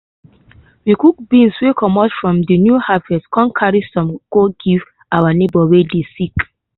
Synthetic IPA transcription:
wikuk̚bĩnswekʰɔmɔtfɹɔ̃mdinjuhavɛskʰɔ̃nkʰaɹisɔ̃mɡoɡiv | awanebɔwedesik

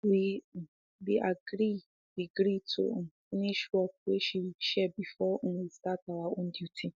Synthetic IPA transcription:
wi | wiʔaɡɾi | d̥iɡɾitʰṵfiniʃwɔk̚weʃiʃɛbifɔ̃wistataaõndjutʰi

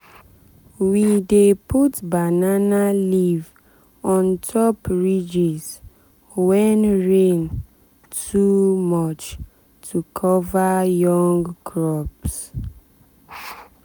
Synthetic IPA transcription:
wideputbananaliv | ɔ̃ntʰɔpɹid͡ʒiz | wɛnɹẽn | tʰumɔt͡ʃ | tʰukʰɔvajɔ̃ŋɡkɹɔps

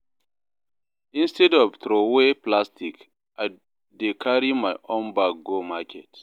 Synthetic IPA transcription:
ĩnstɛdɔvtɾoweplastik | ʔaɪ | dekʰaɹimaɪʔõnbak̚ɡomakʰɛt

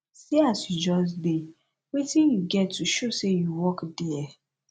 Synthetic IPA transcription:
seasjud͡ʒɔs̬de | wetĩnjuɡɛtːuʃosejuwɔkdiɛ

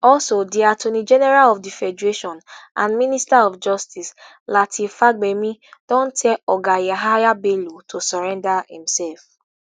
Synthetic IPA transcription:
ɔsodiatonid͡ʒɛnɛɾalɔfdifɛd͡ʒeʃɔ̃nã̰nministaɔfd͡ʒɔstis | latʰifaɡ͡bemĩd̥ɔ̃n̩tʰɛɔɡajaɦajabelotʰosɔɾɛ̃ndahḭ̃m̩sɛlf

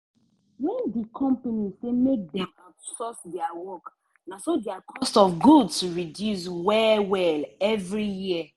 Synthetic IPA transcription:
wɛ̃ndikʰɔ̃mpanisemek̚dɛ̃matsɔsdɛawɔk | nasodɛakʰɔstɔfɡudstuɹidjus̬wɛwɛlɛvɹiji

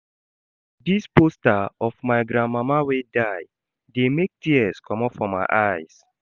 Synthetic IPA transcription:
dispostaɔfmaɪɡɾãnmamawedaɪ | demek̚tiɛskʰɔmɔ̃fɹɔ̃mːa̰ɪʔaɪs

